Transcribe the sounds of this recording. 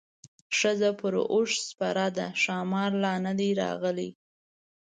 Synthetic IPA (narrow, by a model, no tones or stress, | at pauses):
ʂəzapəɾoʂspaɾɑd̪aʃɑmɑɾlɑnad̪eɾɑ̰ɣəlḭ